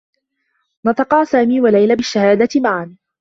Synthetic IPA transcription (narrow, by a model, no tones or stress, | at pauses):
nɑt̪ˤɑqɑːsaːmiːwalajlabɪʃːahaːd̪at̪ɪmaʕan